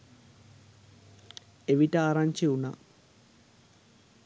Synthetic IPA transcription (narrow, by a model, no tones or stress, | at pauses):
eʋiʈəaːɾaɲt͡ʃiuna̰